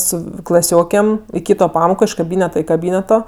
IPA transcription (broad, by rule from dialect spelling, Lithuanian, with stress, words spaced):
ˈsʊ klˠɐˈsʲoːkʲeːm ɪ ˈkʲiːtoː ˈpɑːmoːkoː ɪʃ kɐˈbʲiːnʲɛtɐ ɪ kɐˈbʲiːnʲɛtoː